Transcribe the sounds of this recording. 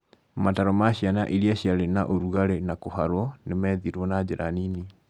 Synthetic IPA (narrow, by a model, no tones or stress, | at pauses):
mataɾɔmaɕjana̰ʔiɾiaɕiaɾenaʔoɾuɣaɾenakohaɾwɔnemɛːðiɾwɔnad͡ʑeɾa̰nini